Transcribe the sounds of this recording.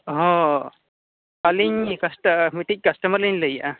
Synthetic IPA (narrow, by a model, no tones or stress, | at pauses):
ɦɔ̃ | aliɲkɐsʈəmiʈic̚kɐsʈɐmɐɾliɲləjaʔa